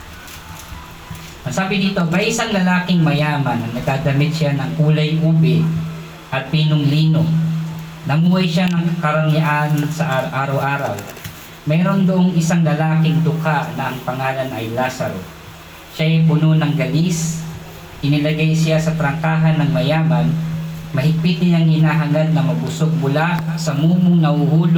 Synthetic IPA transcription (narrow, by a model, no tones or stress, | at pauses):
ʔɐɡsaːbɪniːt̪o̞mɐjʔɪsaŋlɐlaːkɪŋmɐjaːmɐnːɐŋnɐɡ̪̚aːd̪ɐmɪd̪̚sʃɪanɐŋʔuːlɐjʔuːbɛ | ʔɐt̪̚piːnoŋliːno | nɐmuːhɐjʃanɐŋkɐɾɐŋaʔansɐʔʔaːɾɐwʔaːɾɐw | mɛːɾo̞nd̪ʊʔoŋɪsaŋlɐlaːkɪŋd̪ʊkaʔnɐʔɐŋpɐŋaːlɐnɐjlaːsɐ̰ɾo̰ | ʃajpʊnonɐŋɡɐlis | ʔɪnɪlɐɡajsɪjasɐt̪ɾɐŋkaːɦɐnːɐŋmɐjaːmɐnmɐhɪɡ̚pɪt̪ɪɲɐŋhɪnaːɦɐŋad̪̚nɐmɐbʊsoɡ̚mʊlaʔsɐmuːmʊŋnɐhuhuːl